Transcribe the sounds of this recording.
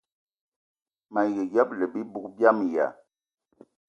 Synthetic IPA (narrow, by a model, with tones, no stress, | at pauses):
ma˨jɛ˨ɡja˦p̚lɛ˨bi˦bu˦k̚bja˦m˨ja̰˨